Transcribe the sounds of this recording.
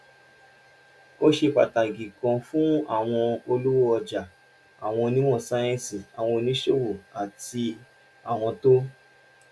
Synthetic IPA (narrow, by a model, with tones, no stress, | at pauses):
o˦ʃe˧k͡pa˨ta˨ɡĩ˨kɔ̃˧fũ˦a̰˦˨w̃ɔ̃˧o˧lu˦wo˦ɔ˧d͡ʒa˨ | a˨w̃ɔ̃˧nĩ˦mɔ̃˦˨sa˧˦j̃ɛ̃˦si˨a˨w̃ɔ̃˧o˧nĩ˦ʃo˦˨wo˨a˨ti˧ | a˦˨w̃ɔ̃˧to˦